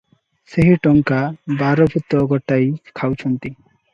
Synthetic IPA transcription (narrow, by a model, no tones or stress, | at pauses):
seɦiʈɔŋkabaɾɔbʱut̪ːɔɡɔʈːajkʰawt͡ɕʰɔnt̪i